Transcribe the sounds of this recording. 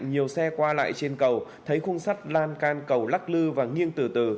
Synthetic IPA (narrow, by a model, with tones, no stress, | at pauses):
ŋɲi˨˩əwsɛ˧kwaː˧la̰ː˧˨jt͡ɕe˧nkə˨˩w | t̪ʰə˨˦jxʊ˧ŋ͡msa˦˥t̚laː˧nkaː˧nkə˨˩wla˦˥k̚lɨ˧vaː˨˩ŋi˧ənt̪ɨ˧˩t̪ɨ̰˧˩